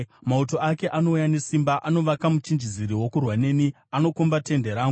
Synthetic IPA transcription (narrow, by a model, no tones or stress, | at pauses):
mauto̞ake̞ʔano̞ujane̞simbaʔano̞ʋakamut͡ʃind͡ʒiziɾiwo̞kurwane̞ni | ano̞kumbate̞ndeɾaːŋɡu